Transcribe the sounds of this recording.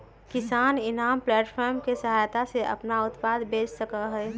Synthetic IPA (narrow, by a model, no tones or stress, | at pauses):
kɪsaːnɪnaːmplɛːʈpʰɔːɾmkesəɦaːjt̪aseʔɐ̰pnaʊt̪paːd̪beːt͡ʃsəkaɦɛː